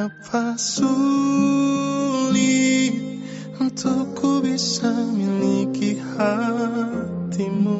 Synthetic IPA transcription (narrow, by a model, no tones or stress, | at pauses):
afasu | li | n̩tʰukʰubiʃamĩlikihatimo